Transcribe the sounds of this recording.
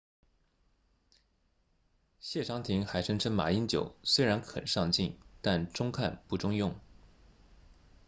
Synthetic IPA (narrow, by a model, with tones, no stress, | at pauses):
ɕjɛ˥˩ʈ͡ʂʰɑ˧˥ŋt̪ʰi˧˥ŋxa˧˥ɪʂɤ˥ŋʈ͡ʂʰɤ˥ŋma̰˨˩i˥nt͡ɕjo̰˨˩˦ʊswe˥ɪɻa˧˥nkʰə̰˨˩nʂɑ˥˧ŋt͡ɕi˥˩nt̪a˥˩nʈ͡ʂʊ˥ŋkʰa̰˥˧npu˥˩ʈ͡ʂʊ˥ŋjʊ˥˩ŋ